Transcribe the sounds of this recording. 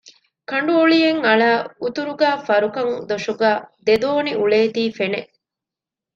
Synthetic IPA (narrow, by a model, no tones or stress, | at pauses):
kɐɳɖuoɭijeŋɐɭaːut̪uɾuɡæːfɐɾukɐŋd̪oʂuɡæːd̪ed̪oːniʔuɭeːt̪iːfene